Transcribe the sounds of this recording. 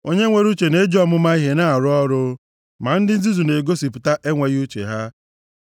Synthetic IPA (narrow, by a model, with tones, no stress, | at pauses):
o˦ɲe˦ŋʷe˦ɾu˦t͡ʃe˨ne˦e˦d͡ʒɔ˦mʊ˦ma˦i˦ɦe˦na˦˨a˨ɾʊ˦ɔ˦ɾʊ˦ | ma˨n̩˦dɪ˦n̩˦zi˦zu˨ne˨ɡo˦si˨pʊ˨ta˦ʔe˦ŋʷe˨ɣu˦t͡ʃḛ˨ɦa˦